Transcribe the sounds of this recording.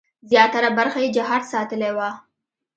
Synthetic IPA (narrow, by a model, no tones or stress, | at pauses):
zjɑt̪aɾabaɾxajed͡ʒaɦɑɾsɑt̪əlewa